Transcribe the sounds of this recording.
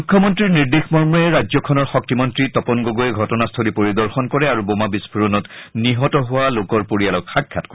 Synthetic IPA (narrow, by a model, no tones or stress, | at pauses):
ukʰːjɔmɔntɹiɹniɹdexmɔɹmɔɛɹazɔkʰɔnɔɹxɔk̚timɔntɹitɔpɔnɡoɡoɛɡʱɔtɔnastʰolipoɹidɔɹxɔnkɔɹɛaɹubomabispʰuɹɔnɔtniɦɔtɔɦʊwalokɔɹpoɹijalɔkxakʰːatkɔ